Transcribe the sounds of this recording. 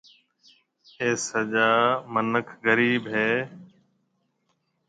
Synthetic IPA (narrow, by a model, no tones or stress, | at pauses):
eːsəʄaːmənəkʰɣəɾiːbɦeː